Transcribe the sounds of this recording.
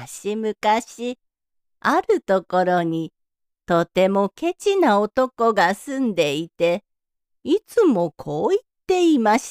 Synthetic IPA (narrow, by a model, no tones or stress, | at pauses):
ɕimɯ̟kaɕi | aɾɯ̟t̪o̞ko̞ɾo̞ɲ̟i | t̪o̞t̪e̞mo̞ke̞t͡ɕinaot̪o̞ko̞ɡasɨ̃nd̪e̞it̪e̞ | it͡sɨmo̞kʰo̞ːit̪ːe̞imaɕi̥